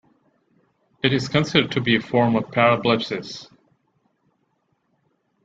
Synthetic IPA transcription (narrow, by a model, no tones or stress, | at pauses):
ɨɾɨz̥kʰɨ̃nsɪɾə˞tʰɨbiɨfɔɹmʌv̥pʰæɹəblɪpsɪs